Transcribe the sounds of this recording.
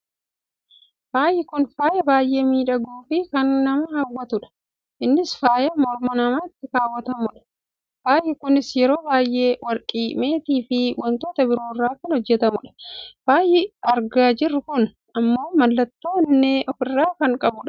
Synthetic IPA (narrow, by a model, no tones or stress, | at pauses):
b̥aːjʔɛkʊnfaːjɐbaːjʔe̞ːmiːᶑɐɡuːfɪkɐnːɐmɐhawːɐt̪ʊᶑɐ̥ | ʔɪnːɪsfaːjɐmɔɾmɐnɐmaːɪt̪ːɪkaːwːɐt̪ɐmʊᶑɐ̥ | b̥aːjɛkʊnɪsjɛɾo̞ːbaːjːe̞ːwɐɾkʼiːme̞ːt̪iːfɪwɔnt̪o̞ːt̪ɐbɪɾo̞ːrːaːkɐnhɔd͡ʒːɛt̪ɐmʊᶑɐ̥b̥aːjɛɐɾɡaːd͡ʒɪrːʊkʊn | ɐmːo̞ːmɐlːɐt̪ːoːnːeːʔɔfɪrːaːkɐŋkʼɐbʊᶑɐ̥